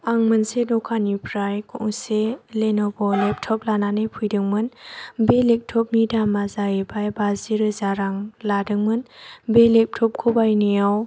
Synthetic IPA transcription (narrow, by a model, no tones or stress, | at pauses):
aŋmɯnsedɔkʰanipʰɾajkʰɔŋselenɔbɔnep̚tʰɔp̚lananepʰujdɯŋmɯnbelek̚tʰɔp̚nidamazaebajbaziɾɯzaɾaŋladɯŋmɯnbelep̚tʰɔp̚kʰɔbajnijaw